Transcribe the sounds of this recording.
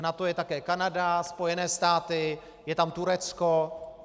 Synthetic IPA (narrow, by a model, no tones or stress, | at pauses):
nat̪ojɛt̪akɛːkanadaspojɛnɛːst̪aːt̪ɪ | jɛt̪amt̪uɾɛt͡sko